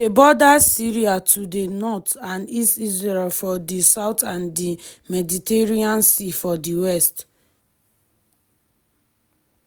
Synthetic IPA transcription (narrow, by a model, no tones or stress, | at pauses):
ebɔdasiɹiatʰudenɔtãnistisɹɛlfɔdisaʊtãndimɛditeɹiãnsifɔdiwɛst